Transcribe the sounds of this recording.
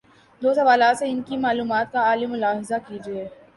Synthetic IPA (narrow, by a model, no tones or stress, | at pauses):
d̪oːsɐʋaːlaːt̪seɪnkimaːluːmaːt̪̚kaaːlimʊlaːɦɪzakiːd͡ʒieː